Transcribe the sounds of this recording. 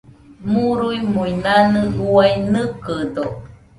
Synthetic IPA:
muɾujmujnanɨuajnɨkədo

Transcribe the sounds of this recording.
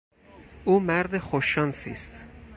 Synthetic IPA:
uːmæɾd̪exoʃɒnsiːst̪

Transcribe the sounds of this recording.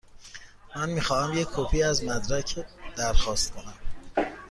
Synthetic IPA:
mænmiːxɒːhæmjecʲʰːopʰiːæzmæd̪ɾæcʰed̪̥æɾxɒːst̪̚kʰo̞næm

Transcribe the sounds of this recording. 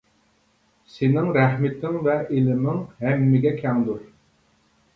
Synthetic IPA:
sɪnɪŋɾɛhmɪt̪ʰɪŋvɛelɪmɪŋɦɛmːɪɡʲɛkʲʰɛŋd̪uɾ

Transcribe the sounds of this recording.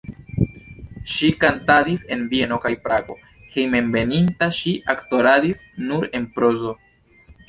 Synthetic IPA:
ʃikantadise̞nbienokajpɾaɡo̞̰ | he̞jme̞nbe̞nintaʃiʔakto̞ɾadisnuɾe̞npɾo̞zo̞

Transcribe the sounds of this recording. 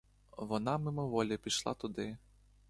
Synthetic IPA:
ʋɔnɑmɪmɔʋɔlʲipʲiʃlˠɑ̰t̪ʊd̪ɪ

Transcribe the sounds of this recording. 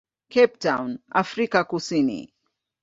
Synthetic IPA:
kɛp̚tawna̰fɾikakusinḭ

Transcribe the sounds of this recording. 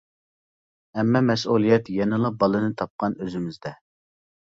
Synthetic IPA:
ɛmːɑmɛsulˠijɛt̪jɛnɨlˠɑbɑlˠɨnɨt̪ʰɑp̚qɑnøzɪmɪzd̪ɛ

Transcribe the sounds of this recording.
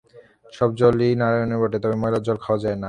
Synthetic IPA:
ʃɔb̚d͡ʑolinaɾaoniɾbɔʈet̪ɔbemɔjlad͡ʑɔlkʰaoad͡ʑaena

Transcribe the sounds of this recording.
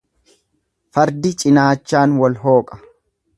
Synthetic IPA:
fɐɾd̪ɪt͡ʃʼɪnaːt͡ʃːaːnwɐlɦo̞ːkʼɐ̥

